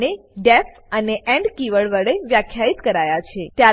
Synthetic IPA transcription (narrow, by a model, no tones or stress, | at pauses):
ne | ɖɛf | əneʔɛ̃ɳɖkiʋəɭʋəɭeʋjakʰjait̪kəɾajat͡ʃʰet̪ja